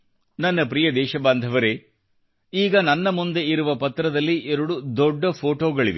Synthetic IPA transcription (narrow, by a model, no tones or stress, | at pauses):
nɐnːɐpɾijɐd̪ɛːʃɐbaːnd̪ʱɐʋɐɾe̞ | iːɡɐnɐnːɐmund̪e̞iɾuʋɐpɐt̪ɾɐd̪ɐlːiʔɛɾuɽud̪ɔɖːɐpʰoːʈoːɡɐɭiʋḛ